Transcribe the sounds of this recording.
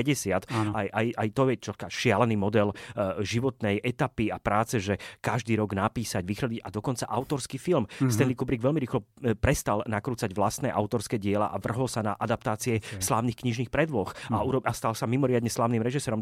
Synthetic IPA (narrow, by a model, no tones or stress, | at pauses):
ɛɟɛsɪat̪ːajʔajajt̪ɔɛt͡ʃɔkaʃɪalɛniːmɔd̪ɛlʒiʋɔt̪nɛjʔɛt̪apiapɾaːt͡sɛʒɛkaʒd̪iːɾɔɡnapiːsaɟʋixɾɔdiɟad̪ɔkɔnt͡saʔaʊt̪ɔɾskifilmst̪ɛnlikubɾiɡʋɛlmiɾiːxlɔpɾɛst̪alnakɾuːt͡saɟʋlast̪nɛːʔaʊt̪ɔɾskɛːɟɪɛla̰ʔaʋr̩ɦɔlsanaʔad̪ap̚t̪aːt͡siɛslaːʊniːxkɲiʒniːxpɾɛd̪ʋɔxauɾɔast̪alsamimɔɾɪad̪ɲɛslaːʊnimɾɛʒisɛːɾɔm